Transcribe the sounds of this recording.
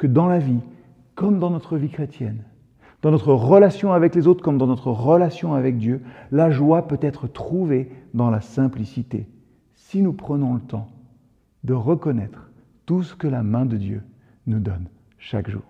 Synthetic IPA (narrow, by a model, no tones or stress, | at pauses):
kəd̪ɑ̃lavi | kɔmd̪ɑ̃nɔt̪χəvikχet̪jɛn | d̪̥ɑ̃nɔt̪χəʁəlasjɔ̃avɛklezot̪χkɔmd̪ɑ̃nɔt̪χəʁəlasjɔ̃avɛk̚d̪jølaʒwapøt̪ɛt̪χət̪χuved̪ɑ̃lasɛ̃plisit̪ḛ | sinupχənɔ̃lət̪ɑ̃ | d̪əʁəkɔnɛt̪χ | t̪usə̥kəlamɛ̃d̪əd̪jø̰ | nud̪ɔ̰n | ʃakʒṵːʁ